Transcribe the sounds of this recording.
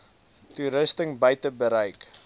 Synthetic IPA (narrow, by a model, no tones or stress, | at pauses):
tuɾəstəŋbəjtəbəɾəjk